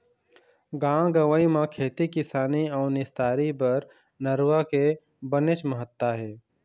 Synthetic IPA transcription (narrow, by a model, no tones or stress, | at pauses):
ɡãːɡəʋəimãkʰeːt̪ikɪsaːniɔːɾnɪst̪aːɾibɐɾ | nəɾwake | bənɪt͡ʃməɦət̪ːaɦɛː